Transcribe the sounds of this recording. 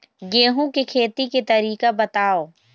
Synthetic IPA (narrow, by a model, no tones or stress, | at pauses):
ɡeːɦũkekʰeːt̪iket̪ɐɾiːkabɐt̪aːoː